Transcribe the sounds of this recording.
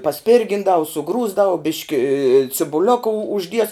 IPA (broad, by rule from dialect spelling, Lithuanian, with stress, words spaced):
pɐˈsʲpʲɪrʲɡʲɪndɐʋʊ sʊˈɡruːzdɐʋʊ ˈbʲɪʃʲkʲɪ t͡sʲɪbʊˈlʲoːkɐ ʊ ʊʒʲˈdʲiɛs